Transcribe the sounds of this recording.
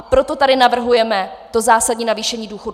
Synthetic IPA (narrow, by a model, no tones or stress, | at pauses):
pɾo̞t̪o̞t̪adɪnavr̩ɦujɛmɛt̪o̞zaːsadɲiːnaviːʃɛɲiːduːxo̞d